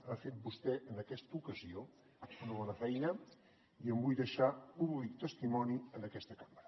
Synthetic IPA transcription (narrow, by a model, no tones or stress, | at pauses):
afet̪̚bust̪ɛʔənəkɛst̪əukəzio | unəβ̞ɔnəfɛjnə | iəmbujðəʃapuβlik̚t̪əst̪imɔniənəkɛst̪əkḁmɾə